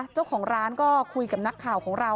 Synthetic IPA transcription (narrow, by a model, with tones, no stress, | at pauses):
t͡ɕa˥˩wkʰɔː˩˦ŋɾaː˦˥nkɔː˥˩kʰu˧jka˨˩na˦˥kʰːaː˨˩wkʰɔː˩˦ŋɾa˧